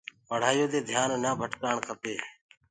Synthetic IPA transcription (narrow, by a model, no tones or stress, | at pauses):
pəɽ̤aːjoːd̪eːd̪ʱjaːnːaːbʱəʈkaːɳkʰəpeː